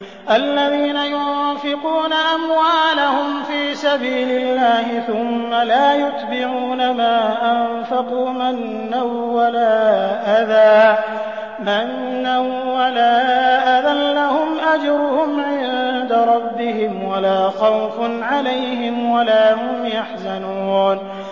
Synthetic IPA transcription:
ʔalːaðiːnajʊnfɪquːnaʔamwaːlahʊmfiːsabiːlɪlːaːhɪθʊmːalaːjʊt̪bɪʕuːnamaːʔan | fɑquːmanːawːalaːʔaðaː | manː | an | walaːʔaʔaðanlahʊmʔad͡ʒɾʊhʊmʕɪnd̪aɾˤɑbːɪɦɪmwalaːxɑwfʊnʕalajhɪmwalaːhʊmjaħzanuːn

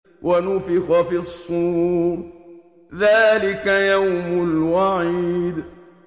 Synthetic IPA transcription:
wʔanʊfɪxafɪsˤu | ðaːlɪkajawmʊlwaʕiːd̪

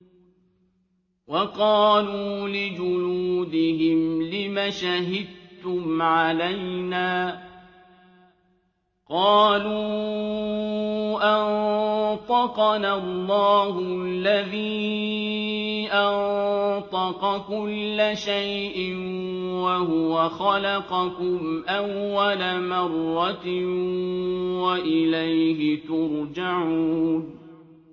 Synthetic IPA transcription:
wɑqɑːluːlɪd͡ʒʊluːd̪ɪɦɪmlɪmaʃaɦɪd̪̚t̪ʊmʕalajnaː | qɑːluː | ʔant̪ˤɑqɑnalˤːɑːhʊlːaðiː | ʔant̪ˤɑqɑkʊlːaʃajʔɪnwaɦʊwaxalaqɑkʊmʔawːalamɑrˤːɑt̪ | waʔɪlajhɪt̪ʊɾd͡ʒaʕuːn

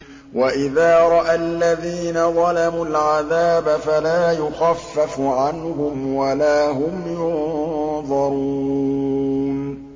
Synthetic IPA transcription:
waʔɪðaːɾˤɑʔalːaðiːnaðˤɑlamulʕaðaːbafalaːjʊxafːafʕanhʊmwalaːɦʊmjʊnðˤɑɾuː | n

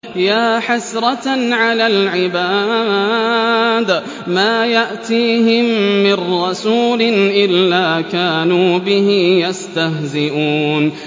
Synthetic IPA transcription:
jaːħasɾˤɑʕalaːlʕɪbaː | d̪ | maːjaʔt̪iːɦɪmːɪnːɑsuːlɪnʔɪlːaːkaːnuːbɪɦɪjast̪ahzɪʔuːn

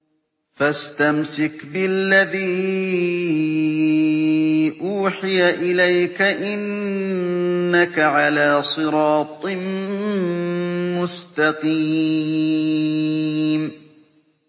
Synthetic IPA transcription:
fast̪amsɪkbɪlːaðiː | ʔuːħɪjaʔɪlajkaʔɪn | akaʕalaːsˤɨɾɑːt̪ˤ | mʊst̪ɑqiː | m

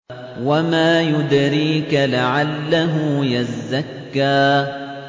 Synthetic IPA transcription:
wamaːjʊd̪ɾiːkalaʕalːaɦʊjazːakːaː

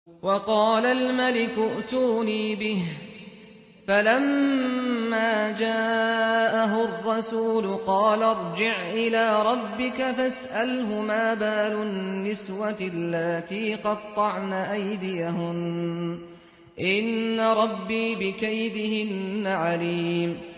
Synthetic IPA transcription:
wɑqɑːlalmalɪkʊʔt̪uːniːbɪh | falamː | aːd͡ʒaːʔaɦʊrːɑsuːlʊqɑːlaɾˤd͡ʒɪʕʔɪlaːɾˤɑbːɪkafasʔalhʊmaːbaːlʊnːɪswalːaːt̪iːqɑd̪t̪ˤːɑʕnaʔajd̪ɪjaɦʊn | ʔɪnːaɾˤɑbːiːbɪkajd̪ɪhɪnːaʕaliːm

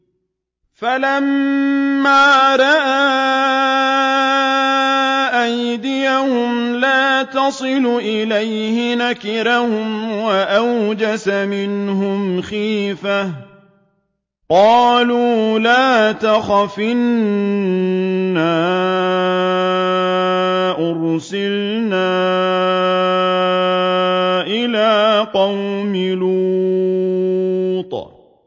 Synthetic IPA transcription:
falamː | aːɾˤɑʔa | ʔajd̪ɪjahʊmlaːt̪ɑsˤɨluʔɪlajhɪnakɪɾahʊmwaʔawd͡ʒasamɪnɦʊmxiːfa | qɑːluːlaːt̪axafɪn | aː | ʔʊɾsɪl | naː | ʔɪlaːqɑwmɪlu | t̪ˤ

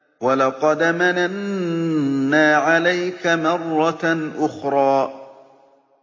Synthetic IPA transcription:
walɑqɑd̪mananː | aːʕalajkamɑrˤːɑʔʊxɾˤɑː

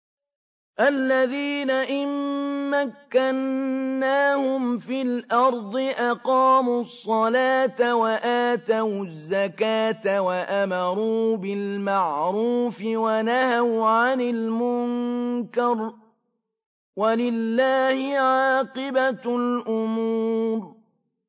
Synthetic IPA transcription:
ʔalːaðiːnaʔɪmːakːanːaːhʊmfiːlʔɑɾˤd̪ˤɨʔɑqɑːmuːsˤːɑlaːt̪awaʔaːt̪awzːakaːt̪awaʔamɑɾˤuːbɪlmaʕɾuːfɪwanahawʕanɪlmʊŋkɑɾˤ | walɪlːaːhɪʕɑɑːqɨbalʔʊmuːɾ

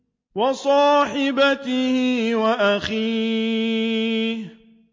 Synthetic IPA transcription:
wɑsˤɑːħɪbat̪ɪhɪwaʔaxiː | h

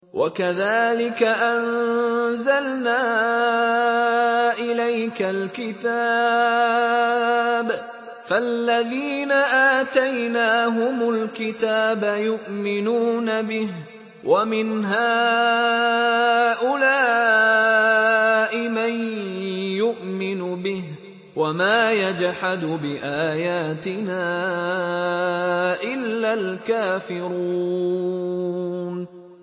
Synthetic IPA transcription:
wʔa̰kaðaːlɪkaʔanzalnaː | ʔɪlajkalkɪt̪a | b | falːaðiːnaʔaːt̪ajnaːɦʊmʊlkɪt̪aːbajʊʔmɪnuːnabɪh | wʔamɪnɦaː | ʔʊlaː | ʔɪman | jʊʔmɪnʊbɪh | wamaːjad͡ʒħad̪bɪʔaːjaːt̪ɪnaː | ʔɪlːalkaːfɪɾuuː | n

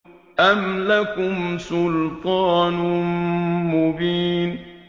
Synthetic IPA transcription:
ʔamlakʊmsʊlt̪ˤɑːn | mʊbiːn

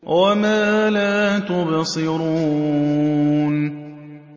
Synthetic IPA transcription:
wamaːlaːt̪ʊbsˤɨɾuː | n

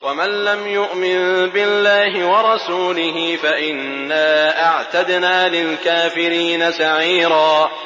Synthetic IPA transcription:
wamanlamjʊʔmɪnbɪlːaːɦɪwɑɾˤɑsuːlɪɦɪfaʔɪnːaːʔaʕt̪ad̪naːlɪlkaːfɪɾiːnasaʕiːɾaː

